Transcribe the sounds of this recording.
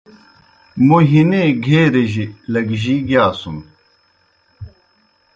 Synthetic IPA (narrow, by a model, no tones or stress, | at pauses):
muɦineɡʱeːɾeʑilɐɡʑiɡjaːsun